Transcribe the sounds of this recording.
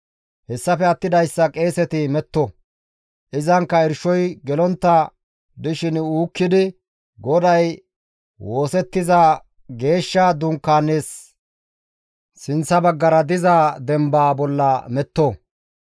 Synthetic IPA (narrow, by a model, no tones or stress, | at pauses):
hɛsːɐfɛɐt̪ːɪd̪ɐjsːɐkʼe̞ːsɛt̪ɪmɛt̪ːɔ | ʔɪzɐŋkːɐɪɾʃɔjɡɛlɔnt̪ːɐ | d̪ɪʃɪnuːkːɪd̪ɪ | ɡɔd̪ɐj | wo̞ːsɛt̪ːɪza | ɡe̞ːʃːɐd̪ʊŋkːaːnːeːs | sɪnsɐbɐɡːɐɾɐd̪ɪzad̪ɛmbaːbɔlːɐmɛt̪ːo